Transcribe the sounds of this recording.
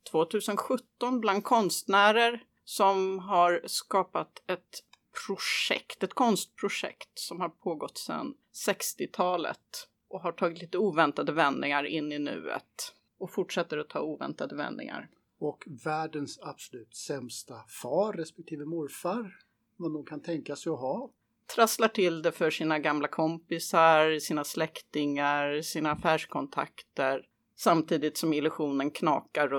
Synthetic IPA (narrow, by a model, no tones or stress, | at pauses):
t̪ʰv̥oːt̪ʰʉ̟ːsənɧɵt̪ːɔnbland̪̚kʰɔnst̪næːɾəɾ | sɔmɦaɾskɑːpat̪ɛt̪ | pʰɾʊʂɛ̰kt̪ɛt̪kʰɔnst̪̚pʰɾʊʂɛ̰kt̪sɔmhaɾpʰoːɡɔt̪ːsɛ̰n | sɛkst̪ɪt̪ʰɑːlə̰t̪ | ʔɔɦaʈʰɑːɡɪt̪liːt̪əuːvɛnt̪ad̪əvɛnd̪nɪŋaɾɪnːɪnʉ̟̰ːə̰t̪ | ɔfʊʈʂɛt̪ːəɾɔt̪ʰɑ̰ːuːvɛ̰nt̪ad̪əvɛ̰nnɪ̰ŋa̰ɾ | ɔkvæːɖənsab̥sɔlʉ̟ːt̪sɛmst̪afɑːɾːɛspɛk̚t̪ʰiːvəmʊɾfaɾ | manuːɡkʰant̪ʰɛŋkasɛjɔɦɑː | t̪ʰɾaslaʈʰɪld̪ɛfœʂiːnaɡamlakʰɔmpɪsaɾsiːnaslɛkt̪ɪŋaɾsiːnaːfæːʂkʰɔnt̪ʰa̰kt̪əɾ | samt̪ʰiːd̪ɪt̪sɔmɪlɵɧuːnənkʰnɑ̰ːkaɾ